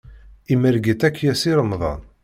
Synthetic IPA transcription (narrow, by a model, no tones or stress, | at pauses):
iməɾɡit̪ækːjæsiɾəmðˤɑ̰n